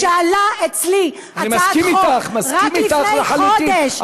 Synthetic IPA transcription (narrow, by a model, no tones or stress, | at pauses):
aalaet͡sli | aanimaasimit̪aχmasʁaimit̪aeħaluodeʃ